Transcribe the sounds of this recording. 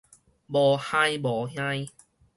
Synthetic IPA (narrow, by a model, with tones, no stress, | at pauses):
bɔ˨˩hã˧jbɔ˨˩ɦjã˧j